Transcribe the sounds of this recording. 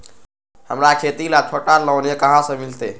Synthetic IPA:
həmɾakʰet̪ilapʰəʈaɾlɔwnekəɦãsə̃milt̪e

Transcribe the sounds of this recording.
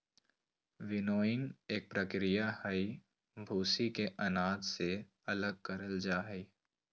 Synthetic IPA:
ʋɪnoːɪ̃ŋeːk̚pɾəkɾijahəi | bʱuːsikeʔɐnaːt̪se | ɐləɡ̚kɐɾəld͡ʒaːɦəi

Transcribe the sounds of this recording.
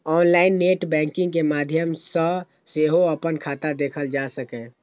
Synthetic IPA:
ɔːnlaːɪnːeːʈbɛ̃ːŋkɪ̃ŋɡkemaːd̪ʱjəmsə | seːɦoəpənkʰaːt̪ad̪eːkʰəld͡ʒaːsəkɛ̃

